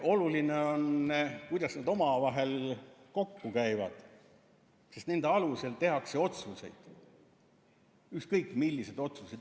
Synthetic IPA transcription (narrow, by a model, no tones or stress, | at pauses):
ʔo̞lulineo̞nkujd̪ɑsned̪o̞mɑvɑɦe̞lko̞kːukæjvɑd̪̥ | sest̪ne̞nd̪̥eɑluse̞lt̪e̞ɦɑkse̞o̞t̪suse̞̰jd̪̥ | ykskɤjkːˑmilːised̪̥o̞t̪sused̪